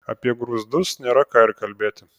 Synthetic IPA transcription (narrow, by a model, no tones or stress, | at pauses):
ɐpʲiɛɡɾʊzd̪ʊsnʲeɾɐkaːɪɾkɐlʲbʲeːt̪ʲɪ